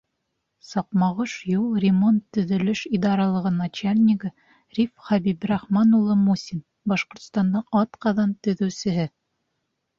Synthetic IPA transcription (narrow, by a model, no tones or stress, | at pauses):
sɑqmɑʁɤʃjulˠrʲɪmont̪ːɵ̆ðɵ̆lɘʃid̪ɑɾɑlˠɤ̆ʁɤnɑt͡ɕalʲnʲɪkə | rʲifχæbibrɑχmɑnulˠɤmusʲin | bɑʃqŏɾt̪st̪ɑnd̪ɑɑt̪qɑðɑnt̪ɵ̆ðɵ̆wsɘ̆ɦɘ